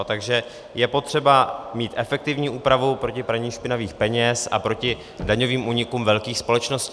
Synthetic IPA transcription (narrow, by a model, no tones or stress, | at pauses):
t̪aɡʒɛ | jɛpo̞t̪r̝̥ɛbamiːt̪ʔɛfɛk̚t̪ɪvɲiːʔuːpɾavupɾo̞cɪpɾaɲiːmʃpɪnaviːxpɛɲɛsʔa̰pɾo̞cɪ | daɲoviːmʔuːɲɪkuːmvɛlkiːxspo̞lɛt͡ʃnoscː